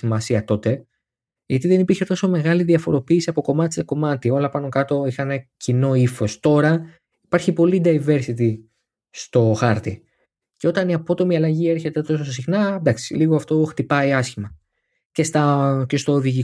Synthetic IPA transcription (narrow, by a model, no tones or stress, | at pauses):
imɐsiɐt̪o̞t̪e̞ | ʝɐt̪iðe̞nipiɾçe̞t̪o̞so̞me̞ɣɐliðiɐfo̞ɾo̞piːsiɐpo̞ko̞mɐt̪i̥seko̞mɐt̪io̞lɐpɐno̞kɐt̪o̞ixɐne̞cino̞ifo̞st̪o̞ɾɐ | ipɐɾçipo̞lid̪ɐjve̞ɾsit̪i | st̪o̞xɐɾt̪i | ceo̞t̪ɐniɐpo̞t̪o̞miɐlɐʝie̞ɾçe̞t̪e̞t̪ososs̬ixnɐd̪ɐksiliɣoɐft̪oxt̪ipɐiɐsçimɐ | ce̞st̪ɐce̞st̪o̞ːðiʝi